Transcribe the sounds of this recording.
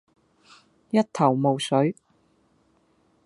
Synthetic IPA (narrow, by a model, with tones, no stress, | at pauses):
jɐ˥t̚t̪ʰɐ˨˩wmo˨˧wsɵ˨˥ɥ